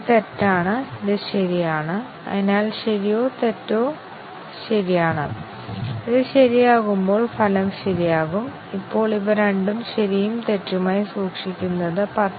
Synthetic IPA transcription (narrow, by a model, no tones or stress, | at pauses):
t̪etːaːɳɨiðɨɕɐɾijaːɳɨ | ɐ̰ðinaːlɕɐɾijo̞ːt̪etːoː | ɕɐɾijaːɳɨ̰ | iðɨɕɐɾijaːɣumbo̞ːɭfʰɐlɐmɕɐɾijaːɣum | ipːo̞ːɭiʋɐɾeɳɖumɕɐɾijumt̪e̞tːumaːjisuːkʂikʲːunːɐðɨpɐ